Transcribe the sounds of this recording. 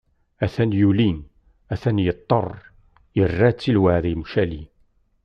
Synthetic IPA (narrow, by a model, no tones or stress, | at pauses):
æθænjulin | æθænjət̪ˤːərˤ | jərːæt͡sːilwaʕðimʃæli